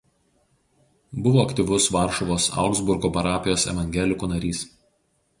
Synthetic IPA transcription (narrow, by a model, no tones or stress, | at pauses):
bʊʋoːɐkt̪ʲiˑʋʊsʋɑˑɾʃɔʋoːsɑ̰ˑʊɡzbʊɾɡoːpɐɾɑːpʲɪjoːsɛ̰ʋɐŋʲɡʲɛlʲɪkuːnɐɾʲiːs